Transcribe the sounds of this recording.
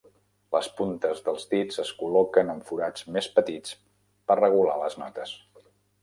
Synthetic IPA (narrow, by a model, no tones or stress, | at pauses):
ləspunt̪əzðəlˠzdid͡zəskulɔkənəɱfuɾad͡zmespət̪it͡s | pərrəɣ̞ula̰ləznɔt̪əs